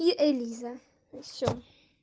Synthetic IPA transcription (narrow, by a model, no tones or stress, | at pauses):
juʔeliza | ʃɔ